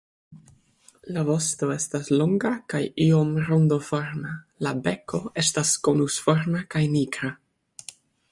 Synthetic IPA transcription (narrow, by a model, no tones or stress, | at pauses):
lavo̞sto̞e̞stasloŋɡakajio̞mɾondofoɾna | labe̞ko̞e̞staskonusfoɾnakajniɡɾa